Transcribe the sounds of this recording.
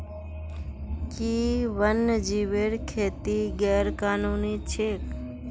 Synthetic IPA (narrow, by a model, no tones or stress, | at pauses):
kiːʋənːd͡ʒiʋeːɾkʰeːt̪iɡɛːɾkaːnuːnit͡ʃʰeːk